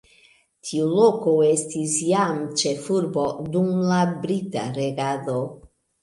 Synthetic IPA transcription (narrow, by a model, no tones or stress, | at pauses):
tʰiulokoestisjamt͡ʃefuɾbodumlabɾita̰ɾeɡado